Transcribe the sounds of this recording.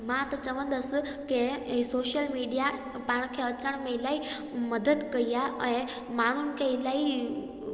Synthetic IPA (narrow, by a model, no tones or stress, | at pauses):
mãt̪ɐt͡ɕɐʋə̃n̆d̪əs̆ | kesoːʃjəlmiːɖija | pãːɪɽ̃kʰeɐt͡ɕəɽ̃mẽɪlaːi | mɐd̪əd̪kɐiaʔɛ̃ː | maːɳ̤unɪ̆kʰeɪlaːi